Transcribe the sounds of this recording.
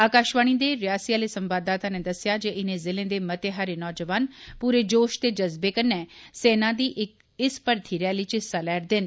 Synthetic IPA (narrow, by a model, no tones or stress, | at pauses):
aːkaːʃʋaːɽ̃ĩd̪eɾɪjaːsijaːlesə̃mbaːd̪aːt̪ãned̪ɐsjad͡ʒeʔɪnẽzɪlẽd̪eːmɐt̪eɦaːɾenɔːd͡ʒəʋaːnpuːɾed͡ʒoːʃt̪ed͡ʒɐzbekənːɛseːnad̪iːʔɪk̚ | ɪspəɾt̪ʰiɾɛːlit͡ʃɪsalɛːɾd̪ɪn